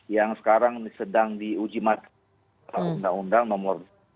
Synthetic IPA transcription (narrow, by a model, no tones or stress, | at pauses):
jaŋsə̥kaɾaŋsədaŋdiud͡ʒimat̪ | aundaŋundaŋnɔmʊr